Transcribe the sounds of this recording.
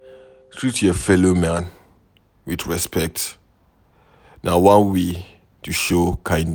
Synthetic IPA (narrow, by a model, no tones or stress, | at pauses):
tʰɹitʰəfɛlomãn | widɹɛspɛk̚t | nawãnwe | tʰuʃokʰãj̃ndn